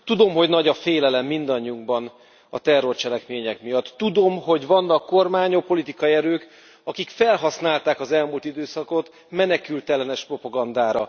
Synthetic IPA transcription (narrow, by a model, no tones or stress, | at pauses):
t̪ud̪o̞mɦo̞ɟnɒɟɒfeːlɛlɛmːind̪ɒɲːiuŋɡbɒn | ɒ̰t̪ɛrːo̞rt͡ʃɛlɛkmeːɲɛkmijɒt̪ːud̪o̞mɦo̞ɟvɒnːɒkːo̞rmaːɲopːo̞lit̪ikɒiɛɾøːk | ɒkikfɛlɦɒsnaːlt̪aːkɒzɛlmult̪id̪øːsɒko̞t̪ | mɛnɛkylt̪ɛlɛnɛʃpro̞pɒɡɒnd̪aːɾɒ̰